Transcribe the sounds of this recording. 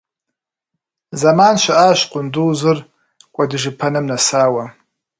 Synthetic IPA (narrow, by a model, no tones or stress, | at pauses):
zamaːnʃʷaaːʃqʼʊnduːzɨr | kʷʼadɨʒɨpʰɐnɨmnasaːwa